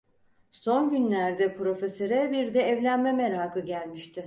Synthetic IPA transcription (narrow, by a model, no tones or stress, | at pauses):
so̞nɟynlʲæɾd̪ɛpɾo̞fesøɾɛbiɾd̪ɛːvlʲænmɛmeɾaːkʰɯɟælʲmiʃt̪ʰɪ